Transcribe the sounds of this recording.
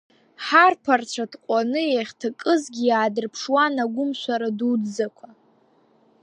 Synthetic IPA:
ħarpʰart͡ɕʷʰatqʷʼanɨaχʲtʰakʼɨzɡʲijaːdɨrpʰʂwanaɡʷʊmʃʷaɾadudzakʷʰa

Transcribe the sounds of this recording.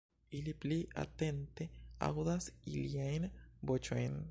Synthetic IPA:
iliplia̰t̪ent̪ea̰ɣuðasilijainbot͡ʃoin

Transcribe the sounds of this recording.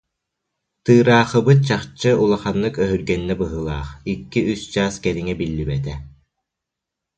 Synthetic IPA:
t̪ɯːɾaːχɯbɯt̪̚t͡ɕaχt͡ɕːɯulˠaχanːɯkœɦyɾɡɛnːɛbɯɦɯlˠaːχikːiyst͡ɕaːskɛniŋɛbilːibɛt̪ɛ

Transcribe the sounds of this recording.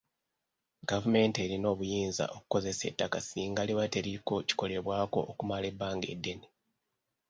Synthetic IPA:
ɡ̥avume̞nteɾino̞ːβujiːnza̰ʔo̞ku̥ko̞ze̞se̞̰tːakasiːŋɡaleβate̞ɾiko̞ci̥ko̞le̞βwaːko̞̰ʔːkumale̞bːaːŋɡe̞̰dːe̞ne

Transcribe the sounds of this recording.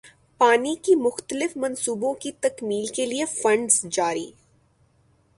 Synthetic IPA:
paːnikimʊxt̪əlɪfmɐ̃nsuːbõkit̪ɐkmiːlkeliefɐ̃ɳɖzd͡ʒaːɾḭː

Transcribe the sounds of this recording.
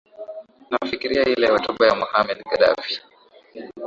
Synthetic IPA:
nafikiɾiahilɛhɔtuɓajamuhamɛɗɡaɗa̰fi̥

